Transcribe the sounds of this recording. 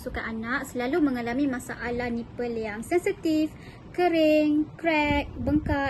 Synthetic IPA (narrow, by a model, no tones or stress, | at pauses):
sukaʔanaʔsəlalumə̃ŋalamĩmãsaʔalahnĩpəljaŋsɛnsit̪if | kəɾɪŋkɾɛk̚bəŋka